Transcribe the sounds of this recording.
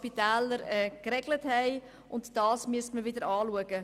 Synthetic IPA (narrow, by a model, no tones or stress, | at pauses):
pitɛːləɾɛːkrɛɡləthɛɪ | ʔʊntd̥ɑːsmyəstməvɪdəɾɑːluəɡə